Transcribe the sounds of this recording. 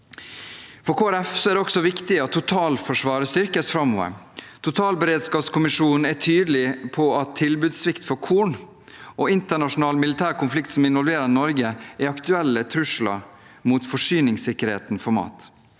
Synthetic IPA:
fɔɾkʰoːæɾɛfsɔæːɾɖ̪ɛɔksɔʋɪkt̪ɪɑt̪ʰːʊt̪ʰɑːlfɔʂʋɑːɾəst̪ʏɾkəsfɾɑmːoːʋə̰ɾ | t̪ʰʊt̪ʰɑːlbəɾeːd̪skɑːpskʰʊmɪʂuːnn̩æʈʰyːd̪lɪpʰɔɑt̪ʰːɪlbʉːd̪sʋɪkt̪fɔɾkʰuːɳ | ʔoːɪnt̪əɳɑʂʊnɑːlmɪlɪt̪ʰæːɾkʊnflɪkt̪sɔmɪnʋɔlʋeːɾəɾnɔɾɡəæɾɑkt̪ʉɛlːət̪ʰɾʉʂlɑ̰ | muːt̪fɔʂyːnɪŋsɪkːəɾhḛːt̪n̩fɔɾmɑ̰ːt̪

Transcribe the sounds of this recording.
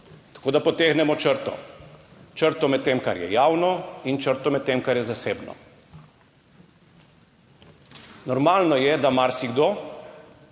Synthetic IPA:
t̪ḁkoːd̪apɔt̪eːxnɛmɔt͡ʃəɾt̪ɔ̰ | t͡ʃəɾt̪ɔmɛt̪ːemkaɾjɛ̰jaːwnɔint͡ʃəɾt̪ɔmɛt̪̚t̪ːemkaɾjɛzaseːbnɔ̰ | nɔɾmaːlnɔjɛd̪amaɾsiɡd̪o

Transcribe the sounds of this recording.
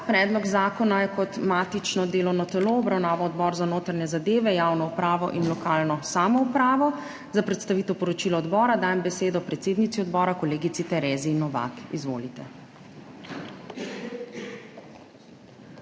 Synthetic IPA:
pɾɛːd̪lɔɡzaːkɔnajɛkɔt̪maːt̪it͡ʃnɔd̪eːlɔwnɔt̪ɛloɔbɾawnaːʋaɔd̪bɔːɾzanoːt̪ɾaɲɛzad̪eːʋɛjaːwnɔupɾaːʋɔ̰ʔinlɔkaːlnɔsaːmɔupɾaːʋɔ | zapɾɛt̪st̪aʋiːt̪ɛwpɔɾɔt͡ʃiːlɔːd̪bɔːɾad̪aːjɛmbɛseːd̪ɔpɾɛt̪seːd̪nit̪iɔd̪bɔːɾakɔleːɡit̪sit̪ɛɾeːzinːɔʋa̰kḭzʋo̰ːlit̪ɛ

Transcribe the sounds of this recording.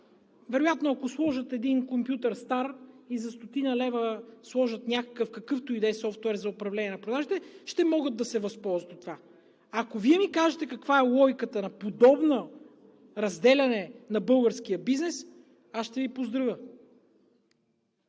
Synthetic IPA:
vɛɾʊjat̪noɐkoslˠɔʒət̪ɛd̪inkompjut̪ɐɾst̪aɾizɐst̪ot̪inɐlɛvəslˠɔʒət̪nʲakə̥kəfkɐkɤft̪ʊid̪ɛjsɔft̪wɛɾzɐʊpɾɐvlɛnʲɛnɐpɾod̪aʒit̪ɛʃt̪ɛmɔɡəd̪̚ːɐsɛvɐspɔlˠzvɐt̪t̪va | ɐkoviɛmikaʒɛt̪ɛkɐkvaɛlˠɔjkət̪ənɐpod̪ɔbno | ɾɐzd̪ɛlʲɐnɛnɐbɤlˠɡəɾsk̟ijəbiznɛs | asʃt̪ɛvipozd̪ɾɐvə

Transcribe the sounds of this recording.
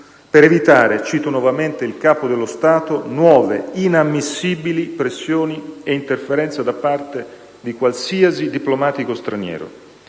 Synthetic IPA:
peɾevit̪aːɾet͡ʃiːt̪onwɔvament̪eilkaːpod̪elːost̪aːt̪onwɔːvḛinamːisːiːbilipɾesːjoːnieint̪erfeɾɛnt̪sad̪apːart̪e | d̪ikwalsiasid̪iplomaːt̪ikost̪ɾanjɛ̰ːɾo̰

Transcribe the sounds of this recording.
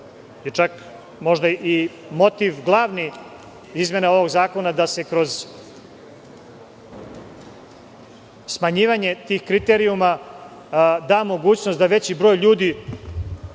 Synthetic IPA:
jet͡ʂak | mo̞ʒd̪aʔi | mo̞t̪iʋɡlˠaːʋni | izmʲjeneo̞ʋo̞ɡzaːko̞nad̪ase̞kɾo̞z | smaɲiːʋaɲe̞t̪iːxkɾit̪eɾiuma | d̪aːmo̞ɡuːt͡ɕnost̪d̪aʋe̞t͡ɕibɾo̞ːjʎuːd̪i

